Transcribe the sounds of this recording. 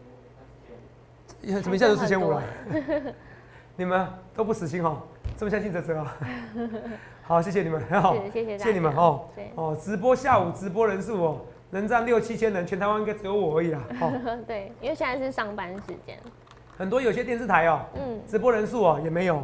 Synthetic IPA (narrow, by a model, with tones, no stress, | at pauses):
sm˨i˧jʂ̩ʰ˥˧˩t͡ɕʰɛ˥nu˨˩lə˨˦ | ni˨˩mə˦nt̪o˥ʊp̬u˥˩ʂ̩˨˩ɕ̬i˧˥nxɔ˨˩˦t͡sə˥˩mə˩ɕjɑ˥ŋɕi˥nt͡sɤ˧˥t͡sɤ˧˦a˩ | xɑ˨˦ʊɕjɛ˥˩ɕjɛ˨˩ni˨˩mə˦n˧˥ɦɑ˨˦˥ɕɕjni˨˩mə˨˦nxɔ˨˧˩ɔ˨˩t͡sɻ̩˧˥p̬wɔ˥ɕja˥˨˩u˨˩t͡sɻ̩˧˥p̬wɔ˦˥ɻə˧˦nsu˥˩ɔ˨˩ | nə˧˦˥ŋt͡sa˥˧ŋljo˥˩ʊt͡ɕʰi˦t͡ɕʰjɛ˥nə˧˦nt͡ɕʰɛ˧˥nt̪ʰɪa˥˦˥i˥ŋka˥t͡s̩ɨ˧˩jo˧˥ʊwɔ˨˩ə˧˥i˨˩lɐ˦hɔ˨˩˦t̪we˥˩ɪ˥we˥˩˨ɕjɛ˥˧na˥˧ʂɻ̩˥˨ʂɑ˥ŋpa˦nʂɻ̩˧t͡ɕjɛ̰˥n | xə˨˩nt̪wɔ˥˦jo˨˩ɕjɛ˦t̪jɛ˥˧nt͡sɹ̩˥˩t̪ʰa˧˦ɪɔ˨n̩˥˩t͡sɻ̩˧˥p̬wɔ˥ɻə˧˦nsu˥˩ɔ˨˩jɛ˨˩me˧˦ɪjo˨˩ʊ